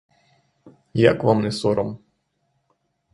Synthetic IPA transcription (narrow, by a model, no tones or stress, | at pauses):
jakʋamnɛsɔɾɐm